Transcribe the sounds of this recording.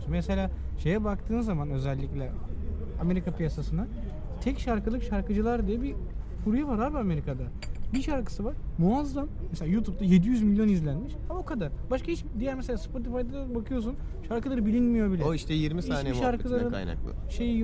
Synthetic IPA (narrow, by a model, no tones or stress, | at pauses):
unmese̞lʲaːʃe̞jɛbak̚t̪ʰɯːnzamanø̞zælʲːiclʲɛ | ame̞ɾikapʰijasasɯna | t̪ʰɛcʃaɾkɯlˠɯkʃaɾkɯd͡ʒɯlˠaɾd̪ijɛbi | fuɾujavaɾaɾbiame̞ɾikʰad̪a | biʃaɾkɯ̥sɯvaɾ̥muazːammːseaːjut̪ʰub̚t̪aje̞d̪ijyzmilʲjo̞nizlʲænmiʃaokʰad̪aɾ̥baʃkʰahit͡ʃd̪ijæɾmese̞lʲaːspʰo̞t̪ifajd̪ad̪abakʰɯjo̞s̬un | ʃaɾkɯlˠaɾɯbilʲinmijobilʲɛiʃt̪ɛjiɾmissaːnɛʃaɾkʰɯlˠaɾɯa̰jna̰k̪ˠɯ̰ʃeji